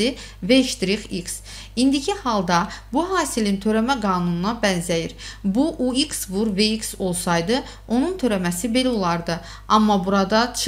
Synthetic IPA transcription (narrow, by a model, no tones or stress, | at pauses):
i | veʃt̪ɾiχiks | ind̪icʰihɑlˠd̪ɑbuɦɑːsilint̪ʰø̞ɾæmæɡɑːnununɑbænzæjiɾbuʔuiksvuɾveikso̞lˠsɑjd̪ɯ | o̞nunt̪ʰø̞ɾæmæsibe̞læolˠɑɾd̪ɯ | ɑmːɑbuɾɑd̪ɑt͡ʃʰ